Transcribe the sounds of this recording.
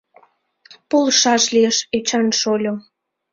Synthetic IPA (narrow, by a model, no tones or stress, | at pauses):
polʃɑʃlijəʃet͡ɕɑnʃolʲo